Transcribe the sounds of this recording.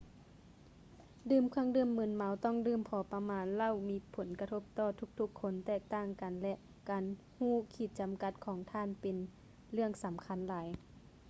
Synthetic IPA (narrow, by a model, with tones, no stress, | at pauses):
dɯː˧˩mkʰa˧˥˨ŋdɯː˧˥˨mːɯ˧˥˨nma˧˥wt̪ɔ˥˨ŋdɯː˧˩mpʰɔː˨˧˦pa˧maː˨˧˥nla˧˨wmiː˧˥pʰo˩˦nka˧t̪ʰo˧˥p̚t̪ɔː˧˩t̪ʰu˧˥k̚t̪ʰu˧˥kʰːo˧˥nt̪ɛː˧˩k̚t̪aː˧˩ŋka˨nlɛ˧ʔ | kaː˨n | huː˧˥˩kʰiː˧˩t̪̚t͡ɕa˨mka˧t̪̚kʰɔː˨˦ŋt̪ʰaː˧˥˨npe˨n | lɯ˥˩əŋsa˨˦mkʰa˧˥˨nlaː˨˦j